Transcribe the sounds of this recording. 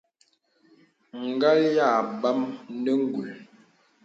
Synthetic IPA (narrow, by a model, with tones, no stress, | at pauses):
ŋ̩˨ɡa˦lja˦˨ba˦m˦nə˦ŋ̩˦ɡu˨l